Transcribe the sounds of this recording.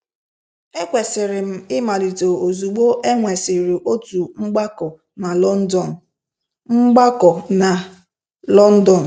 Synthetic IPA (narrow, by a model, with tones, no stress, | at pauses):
e˦kʷe˨sɪ˨ɾɪ˨m̩˦ɪ˦ma˨li˨to˨o˨zu˨ɡ͡bo˦ʔe˦ŋʷe˨sɪ˨ɾi˨ʔo˦tu˨ŋ͡m̩˦ɡ͡ba˦kɔ˨ | na˨lɔ˦n̩˦dɔ˦˨n˨ | ŋ͡m̩˦ɡ͡ba˦kɔ˨na˨ | lɔ˦n̩˦dɔ˨n̩˨